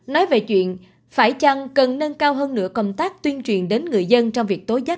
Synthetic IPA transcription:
nɔ˨˦jve˨˩t͡ɕwḭ˧˨ən | faː˧˩jt͡ɕa˧˩ŋkə˨˩nne˧nkaː˧wɦəː˧nːɨ̰˧˥əkə˧wŋ͡mt̪aː˦˥k̚t̪wi˧ənt͡ɕwi˨˩ənɗe˨˦nŋɨ˨˩əjzə˧nt͡ɕɔ˧wŋ͡mvi˨˩ək̚t̪o˨˦jza˦˥t̚

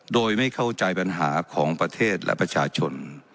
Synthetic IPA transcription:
doː˧jma˥˩jkʰa˥˩wt͡ɕa˧jpa˧nɦaː˩˦kʰɔː˩˦ŋpɾa˧t̪ʰeː˥˩t̪̚lʔɛ̰˧˥pɾa˧t͡ɕʰaː˧t͡ɕʰo˧n

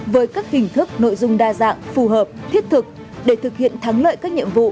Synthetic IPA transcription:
vəː˨˦jkaː˦˥k̚hï˨˩ŋ̟t̪ʰɨ˦˥k̚no̰˧˨jzʊ˧ŋ͡mɗaː˧za̰ː˧˨ŋfu˨˩ɦəː˨˩p̚t̪ʰi˦˥ət̚t̪ʰɨ˨˩k̚ | ɗe˧˩t̪ʰɨ˨˩k̚hḭ˧˨ənt̪ʰaː˨˦ŋlə̰ː˧˨jkaː˦˥k̚ɲḭ˧˨əmvṵ˧˨

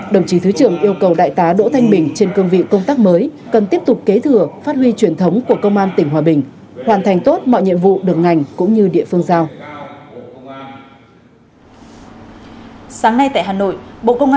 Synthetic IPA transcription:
ɗə˧˩wŋ͡mt͡ɕi˨˦t̪ʰɨ˨˦t͡ɕɨ˧˩əŋʔi˧əwkə˨˩wɗa̰ː˧˨jt̪aː˨˦ɗo̰˧˥t̪ʰa˧jŋ̟ɓï˨˩ŋ̟t͡ɕe˧nkɨ˧əŋvḭ˧˨kə˧wŋ͡mt̪aː˦˥k̚məː˨˦j | kə˨˩nt̪i˦˥əp̚t̪ʊ˨˩k͡p̚ke˨˦t̪ʰɨ˧˩əfaː˦˥t̚hwi˧t͡ɕwi˨˩ənt̪ʰə˨˦wŋ͡mku˧˩əkə˧wŋ͡mʔaː˧nt̪ï˧˩ŋ̟ɦwaː˨˩ɓï˨˩ŋ̟hwaː˨˩nt̪ʰa˨˩jŋ̟t̪o˦˥t̚mɔ̰˧˨jɲḭ˧˨ənvṵ˧˨ɗɨ˨˩ək̚ŋa˨˩jŋ̟kʊ̰˧˥ŋ͡mɲɨ˧ɗḭ˧˨əfɨ˧əŋzaː˧w | saː˨˦ŋna˧jt̪a̰˧˨jɦaː˨˩no̰˧˨jɓo̰˧˨kə˧wŋ͡mʔa

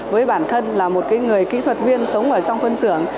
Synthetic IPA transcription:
vəː˨˦jɓaː˧˩nt̪ʰə˧nlaː˨˩mo˨˩t̚kaː˨˦jŋɨ˨˩əjkḭ˧˥t̪ʰwə˨˩t̚vi˧ənsə˨˦wŋ͡mʔəː˧˩t͡ɕɔ˧wŋ͡mfə˧nzɨ̰˧˩əŋ

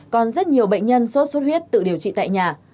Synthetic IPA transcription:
kɔ˨˩nzə˦˥t̚ɲi˨˩əwɓə̰˧˨ŋ̟ɲə˧nso˦˥t̚so˦˥t̚wi˦˥ət̚t̪ɨ̰˧˨ɗi˨˩əwt͡ɕḭ˧˨t̪a̰ː˧˨jɲaː˨˩

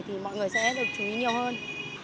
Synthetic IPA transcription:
t̪ʰi˨˩mɔ̰˧˨jŋɨ˨˩əjsɛ̰˧˥ɗɨ˨˩ək̚t͡ɕu˨˩ḭ˨˦ɲi˨˩əwhəː˧n

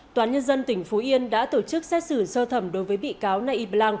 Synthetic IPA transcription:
t̪waː˨˦nɲə˧nzə˧nt̪ï˧˩ŋ̟fo˨˦ʔi˧ənɗa̰ː˧˥t̪o˧˩t͡ɕɨ˦˥k̚sɛ˦˥t̚sɨ˧˩səː˧t̪ʰə˧˩mɗo˨˦jvəː˨˦jɓḭ˧˨kaː˨˦wna˧ʔi˧ɓlaː˧ŋ

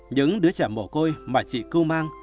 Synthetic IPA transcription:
ɲɨ̰˧˥ŋɗɨ˨˦ət͡ɕaː˧˩mo˧˩ko˧jmaː˨˩t͡ɕḭ˧˨kɨ˧wmaː˧ŋ

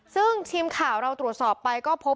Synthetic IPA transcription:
sɯ˥˩ŋt̪ʰiː˧mkʰaː˩˦wɾa˧wt̪ɾu˨˩ət̪̚sɔː˨˩pːa˧jkɔː˥˩pʰo˦˥

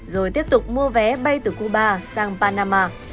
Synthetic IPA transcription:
zo˨˩jt̪i˦˥əp̚t̪ʊ˨˩k͡p̚mu˧əvɛ˨˦ɓa˧jt̪ɨː˨˩ku˧ɓaː˧saː˧ŋpaː˧naː˧maː˧

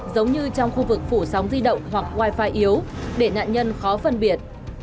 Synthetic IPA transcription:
zə˨˦wŋ͡mɲɨ˧t͡ɕɔ˧wŋ͡mxu˧vɨ˨˩k̚fu˧˩sa˨˦wŋ͡mzi˧ɗə̰˧˨wŋ͡mɦwa˨˩k̚ɣwaː˧jfaː˧˩jʔi˨˦əwɗe˧˩na̰ː˧˨nɲə˧nxɔ˨˦fə˧nɓi˧˩ət̚

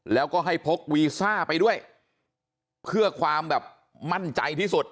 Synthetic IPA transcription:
lɛː˦˥wkɔː˥˩ɦa˥˩jpʰo˦˥k̚wiː˧saː˥˩pa˧jdu˥˩əj | pʰɯ˥˩ɐkʰwaː˧mbɛː˨˩p̚ | ma˥˩nt͡ɕa̰˧jt̪ʰiː˥˩su˨˩t̪̚

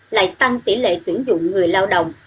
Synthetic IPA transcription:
la̰ː˧˨jt̪a˧ŋt̪i˧˩lḛ˧˨t̪wi˧˩ənzʊ̰˧˨ŋ͡mŋɨ˨˩əjlaː˧wɗə̰˨wŋ͡m

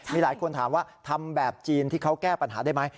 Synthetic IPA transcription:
miː˧laː˩˦jkʰo˧nt̪ʰaː˩˦mwaː˥˩t̪ʰa˧mbɛː˨˩p̚t͡ɕiː˧nt̪ʰiː˥˩kʰa˦˥wkɛː˥˩pa˧nɦa̰ː˩˦da˥˩jma˦˥j

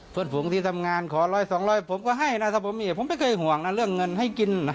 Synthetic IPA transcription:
pʰɯ˧˩nfuː˩˦ŋt̪ʰiː˧˩t̪ʰa˧mŋaː˧nkʰɔː˩˦lɔː˧˩jsɔː˨˦ŋlɔː˧˩jpʰo˨˦mkɔː˧˩ɦa˥˩jna˧˥t̪ʰaː˧˩po˨˦mːiː˧˩pʰo˨˦mpa˧˩jkʰɤː˧jɦu˨˩əŋna˧˥˩ɾɯ˥˩əŋːɤ˧nɦa˧˥˩jki˧na˧˩

